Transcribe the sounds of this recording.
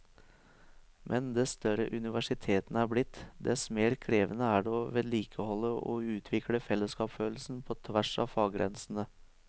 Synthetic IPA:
mʔɛnd̪ɛst̪œɾəʔʉnɪʋæʂɪt̪ʰeːt̪ənəæːɾblɪt̪ːd̪ɛsmeːɾkʰɾeːʋənəæɖoʋeːd̪liːkʰəhɔlːəɔ̰ʉːt̪ʰʋɪkləfɛlːəskɑːpføːl̩sn̩pʰɔt̪ʰʋæʂɑ̰ːʋfɑːɡɡɾʔɛ̰nsn̩ə

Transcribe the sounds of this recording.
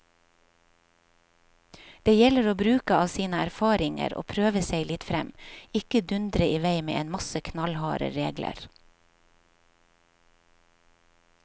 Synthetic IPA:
d̪̥eːjɛləɾoːbɾʉːkəɑːʋsiːnəæɾfɑːɾɪŋə̰ɾo̰ːpʰɾøːʋəseɪlɪt̪fɾɛmɪkəd̪ʉnd̪ɾəʔiːʋæɪmḛːʔeːnmɑsəkʰnɑlhɑ̰ːɾə̰ɾeːɡlə̰ɾ

